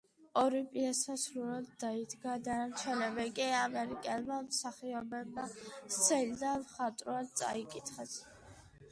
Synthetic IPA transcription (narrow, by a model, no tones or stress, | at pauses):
ɔɾipʼiasasɾuɾad̪ːaid̪ɡad̪anamt̪sʰwɛnɛbɛkʼiamɛɾikʼɛlˠmamsaχiɔbɛbmat̪sʰɛlid̪anmχat̪ʼɾuad̪̚tsʼa̰ikʼit̪ʰχɛs